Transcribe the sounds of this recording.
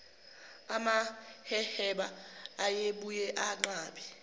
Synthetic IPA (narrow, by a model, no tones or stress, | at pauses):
amahɛhɛɓaːjeɓujɛʔaǃaːɓɛ